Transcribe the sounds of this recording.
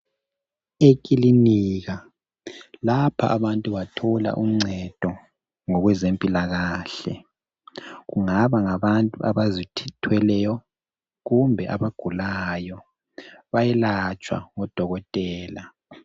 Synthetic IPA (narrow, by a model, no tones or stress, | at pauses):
ekʼiliniːɣa | lapʰa̰ʔːβantʼuβatʰɔla̰ʔum̩ŋ͡ǀʱɛd̥ʱɔ | ŋɔɣwɛzempʼilaɣaːɬɛ̰ | ɣuŋaβaŋaβantʼuʔa̰βazitʰitʰwɛlɛjɔ | ɣumbʱɛʔaβaɡ̥ʱulajɔ | βajɛlat͡ʃʼwa̰ŋɔd̥ʱɔɣɔtʼɛːla